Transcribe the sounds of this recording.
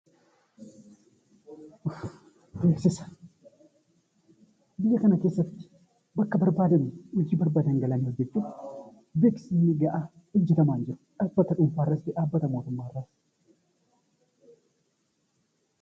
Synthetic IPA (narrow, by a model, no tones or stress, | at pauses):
ʊ | basɪsɐ̥ | bɪjːɐkɐnɐke̞ːsːɐt̪ːɪ̥ | bɐkːɐbɐɾbaːd̪ɐnɪʊd͡ʒiːbɐɾbaːd̪ɐŋɡɐlɐnɪhɔd͡ʒːɛt͡ʃːuː | beːksɪnːɪɡɐʔaː | ʊd͡ʒːɪt̪ɐmaːnd͡ʒɪɾʊ̥ᶑɐbɐt̪ɐᶑʊmfaːrːɐt̪ːɪᶑaːbːɐt̪ɐmo̞ːt̪ʊmːaːrːɐs